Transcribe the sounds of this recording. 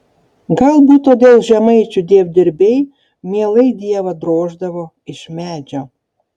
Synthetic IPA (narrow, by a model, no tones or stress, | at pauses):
ɡɐlˠbuːt̪oːd̪ʲeːlˠʒʲɛmɐɪt͡ʃʲud̪ʲeːwd̪ʲɪɾʲbʲej | mʲiɛlˠɐɪd̪ʲiɛʋɐd̪ɾoːʒd̪ɐʋo | ɪʃmʲæːd͡ʒʲo